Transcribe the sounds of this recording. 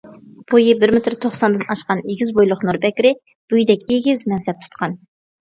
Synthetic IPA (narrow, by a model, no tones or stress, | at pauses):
b̥ojɨbɪɾmɪt̪ʰɪɾt̪ʰoχsɑnd̪ɨnɑʃqɑneɡʲizbojlˠʊχnuɾbɛkʲɾɪ | b̥ujd̪ɛkʲeɡʲizmɛnsɛp̚t̪ʰu̥t̪qʰɑn